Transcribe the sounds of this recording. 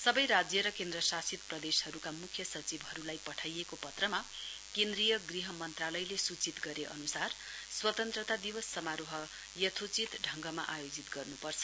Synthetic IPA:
sʌbʌjɾad͡zjʌɾʌkend̪ɾʌsasit̪̚prʌd̪eshʌɾukamukʰjʌsʌt͡sibʱɦʌɾulajpʌʈʰajekopʌt̪rʌmakend̪rijʌɡriɦʌmʌnt̪ralʌjlesut͡sit̪ɡʌɾeʔʌ̰nusar | swʌt̪ʌnt̪rʌt̪ad̪iwʌsːʌmaɾoɦʌ | jʌt̪ʰot͡sit̪ɖʱʌŋɡʌma̰ʔajod͡zit̪ɡʌrnupʌrt͡sʰʌ̥

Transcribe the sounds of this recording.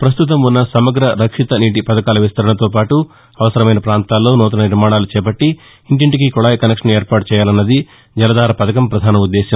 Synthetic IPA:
pɾɐs̬t̪ut̪̬ɐmunːɐsɐmɐɡɾɐɾɐkʂit̪ɐniːʈ̬ipɐd̪ɐkaːlɐʋist̪ɐɾɐɳɐt̪o̞ːpaːʈu | ɐʋɐsɐɾɐmɐjnɐpɾaːnt̪aːlːo̞ːnɔːt̪̬ɐnɐniɾmaːɳaːlut͡ʃɛːp̬ɐʈːi | iɳʈiɳʈik̬ikɔɭaːjkɐnekʂɐneːɾpaːʈut͡ʃɛːjaːlɐnːɐd̪i | d͡ʒɐlɐd̪aːɾɐpɐd̪ɐkɐmpɾɐd̪ʱaːnɐud̪ːeːʃɐm

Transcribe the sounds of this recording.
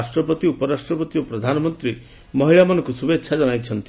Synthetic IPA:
sʈɾɔpɔt̪iupɔɾasʈɾɔpɔt̪ijopɾɔd̪ʱanɔmɔnt̪ɾi | mɔɦiɭamɔnɔkusubetːʃʰad͡ʒɔnajt͡ʃʰɔnt̪i

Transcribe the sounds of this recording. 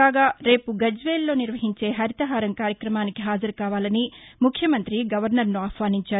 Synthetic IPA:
aːɡaːɾe̞ːpuɡɐd͡ʒʋe̞ːlːo̞ːniɾʋɐɦiɲt͡ʃe̞ːɦɐɾit̪ɐɦaːɾɐmkaːɾjɐkɾɐmaːnikiɦaːd͡ʒɐɾukaːʋaːlɐnimukʰjɐmɐnt̪ɾiɡɐʋɐɾnɐɾnuaːpʋaːniɲt͡ʃaːɾu

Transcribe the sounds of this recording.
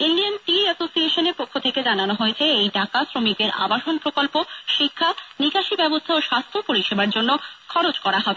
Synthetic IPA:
inɖianʈiɛsosieʃoneɾpokʰːot̪ʰeked͡ʑananoɦojet͡ɕʰeejɖakasɾomikd̪eɾa̰baʃonpɾokolpoʃikʰːanikaʃibɛbost̪ʰaoʃast̪ʰopoɾiʃebaɾd͡ʑonːokʰɔɾod͡ʑkɔɾaɦɔbee

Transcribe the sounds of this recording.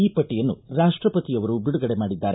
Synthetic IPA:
iːpɐʈːijɐnːuɾaːʂʈɾɐpɐt̪ijɐʋɐɾubiɽuɡɐɽemaːɽid̪ːaːɾe

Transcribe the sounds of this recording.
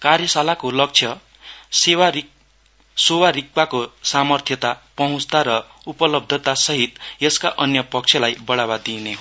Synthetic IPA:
kaɾjʌsalakolʌk̚t͡sʰjʌ | sewa | sowaɾik̚pakosamʌrt̪ʰjʌt̪apʌɦũt͡st̪aɾʌupʌlʌb̚d̪ʱʌt̪asʌɦit̪jʌskaʔʌnjʌpʌk̚t͡sʰjʌlajbʌɽabad̪ine

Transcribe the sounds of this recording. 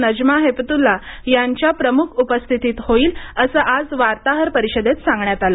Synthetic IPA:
nəd͡ʑmaɦept̪ulːajaɲt͡ɕjapɾəmukʰupəst̪ʰit̪iːt̪hoiːləsəːʔad͡zʋaɾt̪aɦəɾpəɾiɕəd̪et̪sãŋɡɳjat̪alə

